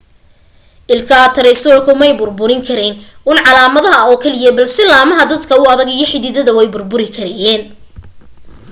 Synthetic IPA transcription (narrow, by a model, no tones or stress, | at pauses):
ʔɪlkʰɐt̪ʰɐɾɛjsɔːrkʰʊmɛjbʊrbʊɾɪŋkʰɐɾɛnʔuːnʕɑlaːmɐðɐɦɐɔːkʰɐlɪjɐbɐlsɪlaːmɐɦɐd̪ɐd̪kʰɐʊɐðɐɡijɞħɪðɪðɐðɐwɛjbʊrbʊɾɪkʰɐɾɛjɛːn